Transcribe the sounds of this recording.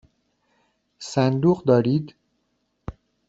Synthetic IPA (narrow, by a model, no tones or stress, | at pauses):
sænd̪uːɢd̪ɒːɾiːd̪